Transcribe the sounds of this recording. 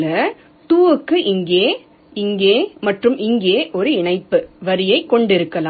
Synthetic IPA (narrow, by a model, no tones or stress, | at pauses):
lɐ | t̪uːɯkːɯʔɪŋɡeː | ɪŋɡeːmɐʈrɯmɪŋɡeːʔɔɾɯɪɳɐɪpːɯʋɐɾɪjɐɪkːɔɳɖɪɾɯkːɐlaː